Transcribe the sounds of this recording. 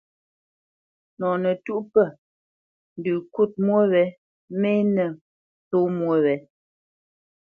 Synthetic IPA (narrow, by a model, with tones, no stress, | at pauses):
nɔ˨nə˨tu˦ʔpə˦˨ | n̩˨dʉ˨ku˦˨t̚mwə˦wɛ˨˦ | me˦nɛ˨ | to˦mwo˦wɛ˨˦